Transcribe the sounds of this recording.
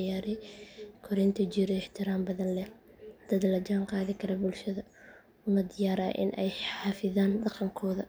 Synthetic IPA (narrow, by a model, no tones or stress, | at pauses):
jaːɾɛjkʰɔɾɛjnt̪ʰɐd͡ʒiːɾɔɪħt̪ʰɪɾaːmbɐðɐnlɛ | d̪̥ɐd̪ɐlɐt͡ʃaːŋqɑːðɪkʰɐɾɔbʊlʃɐðɐ | ʊmɐd̪ɪjaːɾɐ̰ʔɪ̰nʔɛ̰jħɑːfɪðaːndɑqɐŋkʰɔːðɐ